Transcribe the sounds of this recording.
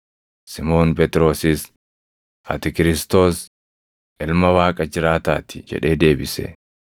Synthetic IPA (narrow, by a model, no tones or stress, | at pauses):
sɪmo̞ːnpɛt̪ɾo̞ːsɪs | ɐ̰t̪ɪkɪɾɪst̪o̞ːs | ʔɪlmɐwaːkʼɐd͡ʒɪɾaːt̪aːt̪ɪ̥d͡ʒɛ̰ᶑe̞ːd̪e̞ːbɪsɛ̰